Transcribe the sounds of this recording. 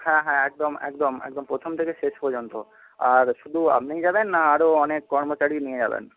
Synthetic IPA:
hɛ̃ɦɛ̃ɛk̚d̪omɛ̰kd̪omɛ̰k̚d̪ompɾot̪ʰomt̪ʰekeʃeʃpɔɾd͡ʑont̪o | aɾʃud̪ʱua̰pnid͡ʑabenːaaɾoɔnekːɔɾmot͡ɕaɾinied͡ʑa̰bḛn

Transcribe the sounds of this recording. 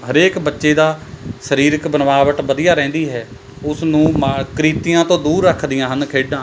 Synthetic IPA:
ɦəɾeːkbətːʃeːd̪aːsəɾiːɾəkbənʋaːʋəʈ̪bəd̪ɪjaːɾɛ̃ːnd̪iːɦɛː | ʊsnũːmakɾiːt̪ɪjãːt̪õːd̪uːɾːəkʰd̪ɪjãːɦənkʰeːɖãː

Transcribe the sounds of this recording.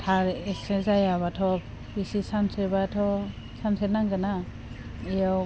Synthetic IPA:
tʰaɾesezajaβatʰɔp | bisisansebatʰɔ | sansenaŋɡɯna | ijaw

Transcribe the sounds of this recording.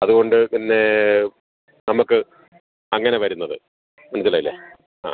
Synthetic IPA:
ɐðuɣo̞ɳɖɨpinːe̞ | nɐmukːɨ | ɐŋːɐne̞ʋɐɾunːɐðɨ | mɐnusilːɐjilːe | a̰ː

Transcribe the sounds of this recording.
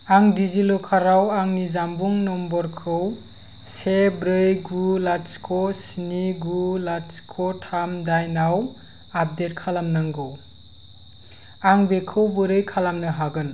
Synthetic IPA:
aŋdizilɔkʰaɾawaŋnizambuŋnɔmbɔɾkʰɯw | sebɾɯjɡulatskʰɔsiniɡulatskʰɔtʰamdajnaw | ap̚det̚kʰalamnaŋɡɯw | aŋbekʰɯwbɯɾɯjkʰalamnɯɦaɡɯn

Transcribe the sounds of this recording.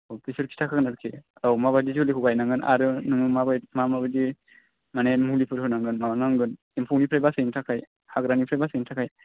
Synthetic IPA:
owpʰisɯɾkʰi̥tʰakʰaɡɯnaɾkʰiawmaβajdiziulikʰuɡajnaŋɡɯnʔa̰ɾɯnɯŋɯmabajmamabajdi | manɛmulipʰɯɾhɯnaŋɡɯnmanaŋɡɯn | impʰuwnipʰɾajbasɯjntʰakʰaj | haɡɾanipʰɾabasɯjntʰakʰaj

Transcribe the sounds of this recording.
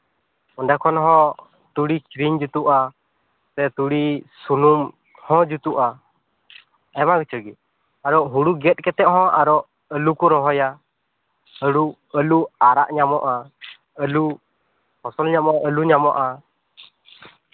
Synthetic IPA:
ɔnɖakʰɔnɦɔ̃ | t̪uɽikɾiɲd͡ʒut̪uʔa | t̪ɛt̪uɽisunum | hɔ̃d͡ʒut̪uʔa | ɛmaɡit͡ʃʰəɡi | aɾɔʔɦũɽuɡɛt̪̚kɛt̪ɛʔɦɔ̃aɾɔʔ | əlukuɾɔɦɔja | əɽu | əluaɾa̰ʔɲamɔʔa | əlu | hɔsɔlɲamɔʔɔʔəluɲamɔʔa

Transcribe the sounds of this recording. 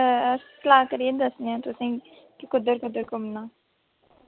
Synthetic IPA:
slaːkəɾid̪əsnãt̪ʊsĩ | kikʊd̪əɾkʊd̪əɾkʊmnãː

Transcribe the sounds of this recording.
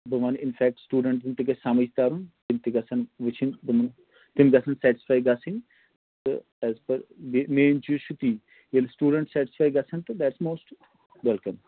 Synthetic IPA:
bɐʋɐnɪnfɛːk̚ʈsʈuːɖɐɳʈd̪imt̪ikesamɐst̪aːɾunt̪imt̪iɡɐsʰɐnʋɪt͡ʃʰinbɨmɐn | t̪imɡɐsʰɐnsɛːʈɪspaːjɡasin | t̪ɨ̰ | ɛzpɐɾbemeːnt͡ʃuʃut̪iː | jelsʈuːɖəɳʈsɛːʈɪ̥sfaːjɡɐsʰɐnt̪ɨd̪ɛʈsmoːsʈ | ʋɛlkɐm

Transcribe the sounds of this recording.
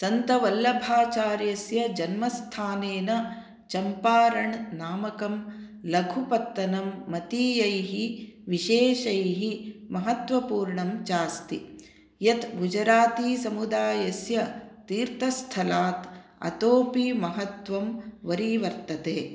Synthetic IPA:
sɐnt̪ɐʋɐlːɐbʱaːt͡ʃaːɾjɐsjɐd͡ʒɐnmɐst̪ʰaːneːnɐ | t͡ʃɐmpaːɾɐɳnaːmɐkɐm | lɐɡʱupɐt̪ːɐnɐmːɐt̪iːjɐjɦiʋiʃeːʃɐjɦimɐɦɐt̪ʋɐpuːɾɳɐmt͡ʃaːst̪i | jɐt̪ɡʱud͡ʒɐɾaːt̪iːsɐmud̪aːjɐsjɐt̪iːɾt̪ɐst̪ʰɐlaːt̪ɐ̰t̪oːpimɐɦɐt̪ʋɐmʋɐɾiːʋɐɾt̪ɐt̪eː

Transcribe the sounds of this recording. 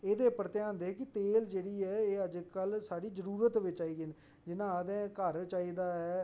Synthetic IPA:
eːd̪eːpəɾət̪eãːnd̪eːkɪt̪eːld͡ʒeːɽiːɛːeːəd͡ʒkəlsaːɽiːzəɾuːɾət̪ʋɪt͡ʃaːiːɡen | d͡ʒɪnãːəd̪ɛ̃ːkəɾt͡ʃaːiːd̪aːɦɛː

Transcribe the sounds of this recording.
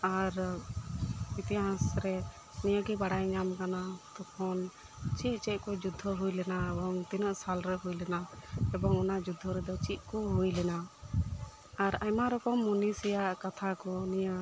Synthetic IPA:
aɾ | it̪ɛɦãsɾɛ | nijaɡibaɽajɲamkanat̪ɔkʰɔn | t͡ʃiʔ̚t͡ʃɛʔ̚ˀkɔd͡ʒud̪ʱːɔɦujlɛnaɛbɔŋt̪inɔʔsalɾɛɦujlɛnaɛbɔŋɔnaʔd͡ʒud̪ʱːɔɾɛd̪ɔt͡ʃit̪̚ˀkɔɦujlɛna | aɾajmaɾɔpɔmːɔnisijaʔkat̪ʰakɔnija

